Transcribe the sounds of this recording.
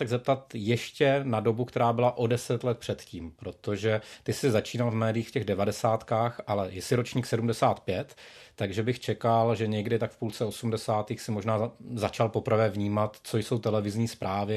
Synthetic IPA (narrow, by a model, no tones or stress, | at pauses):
ɛɡzɛp̚t̪at̪jɛʃcɛnado̞bukt̪ɛɾaːbɪlaʔo̞dɛsɛt̪lɛt̪̚pr̝̥ɛt̪ciːmpɾo̞t̪o̞ʒɛt̪ɪsɪzat͡ʃiːnalvmɛːdɪiːxfcɛɣdɛvadɛsaːt̪kaːxʔalɛjɛsɪɾo̞t͡ʃɲiːksɛdumdɛsaːt̪pjɛt̪ːaɡʒɛbɪxt͡ʃɛkalʒɛɲɛɡdɪt̪akfpult͡sɛo̞sumdɛsaːt̪iːxsɪmo̞ʒnaːzat͡ʃalpo̞pɾ̩vɛːvɲiːmat̪t͡so̞jso̞wt̪ɛlɛvɪzɲiːspɾʔaːvɪ